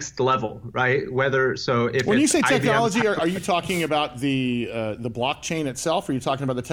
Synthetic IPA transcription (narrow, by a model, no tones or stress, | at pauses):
kstˡlɛvl̩ˠɹaɪt̚wɛðə˞soʊɪfwə̃njɨsseɪtʰɛknɑlˠəd͡ʒiə˞ə˞jɨtʰɔkɪ̃ŋɨbaʊt̪̚ðɨðəblɑk̚t͡ʃʰẽɪ̃nɨtsɛlˠfə˞jɨtʰɔkɪ̃ŋəbaʊt̪ðɨtʰ